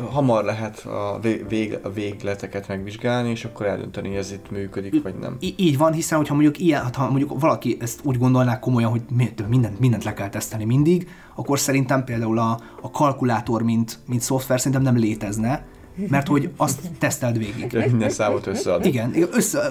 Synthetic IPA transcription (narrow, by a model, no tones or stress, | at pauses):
ɦɒmɒrlɛɦɛt̪ɒ̰eveːɡveːɡlɛt̪ɛkɛt̪mɛɡʋiʒɡaːlnieːʃɒkːoɾɛld̪ø̰nt̪ɛnioɛzit̪myːkød̪iʋɒ̰ɟnɛ̰miiːɟvɒnɦisɛnho̞chɒmoɲɟukijɛnɦɒt̪hɒmoɲɟukvɒlɒkiʔɛst̪uːɟɡo̞nd̪o̞lnaːkːo̞mo̞jɒnɦo̞ɟmt̪ømind̪ɛnt̪mind̪ɛnt̪lɛkɛlt̪ɛst̪ɛlnimind̪iɡ | ɒkːorsɛɾint̪ɛmpeːld̪aːulɒː | kɒlkulaːt̪o̞rmint̪mint̪so̞ft̪ʋɛrsɛɾint̪ɛmnɛmleːt̪ɛznɛ | mɛrt̪ho̞ɟɒst̪ːɛst̪ɛlt̪ʋeːɡḭɡ̥inːɛsaːvot̪øsːɛɒd̪iɡɛniɛøsːɛ